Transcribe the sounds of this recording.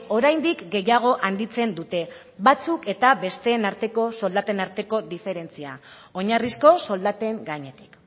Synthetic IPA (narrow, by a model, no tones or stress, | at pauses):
o̞ɾajnd̪ikɡe̞jaɣ̞o̞ʔand̪it͡se̞nd̪ut̪e̞ | βat͡suke̞t̪aβe̞st̪e̞ːnaɾt̪e̞ko̞so̞ld̪at̪e̞naɾt̪e̞ko̞d̪ife̞ɾe̞nt͡sia̰ | o̞ɲarisko̞so̞ld̪at̪e̞ŋɡaɲe̞t̪i̥k